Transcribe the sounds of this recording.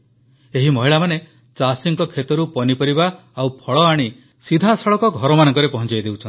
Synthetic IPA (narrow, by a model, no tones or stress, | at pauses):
eɦimɔɦiɭamane | t͡ʃasiŋkɔkʰet̪ɔɾupɔnipɔɾiba | awpʰɔɭɔaɽ̃i | sid̪ʱasɔɭɔkɔɡʱɔɾɔmanɔŋkɔɾepɔɦɔnt͡ʃajd̪ewt͡ʃʰɔn